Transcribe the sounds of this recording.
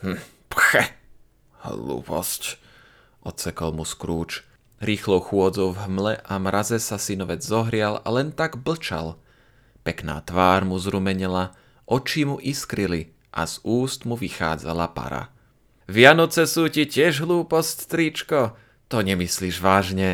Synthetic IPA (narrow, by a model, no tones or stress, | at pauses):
mm̩ | pxɛ | hlṵːpɔ̰sc | ʔɔt̪sɛkɔlmuskɾuːt͡ʃ | ɾiːxlɔʊxʊɔd͡zɔʊvɦmlɛʔamɾazɛsasinɔʋɛd͡zzɔɦɾɪala̰lɛnt̪aɡbl̩t͡ʃa̰l | pɛkna̰ːt̪ʋaːɾmuzɾumɛɲɛla | ʔɔt͡ʃimuʔiskɾili | ʔa̰z̥uːst̪muʋixa̰ːd͡za̰lapa̰ɾa̰ | ʋɪanɔt͡sɛsuːcicɪɛʒɦluːpɔscst̪ɾit͡ʃkɔ | t̪ɔɲɛmisliːʒʋaːʒɲɛ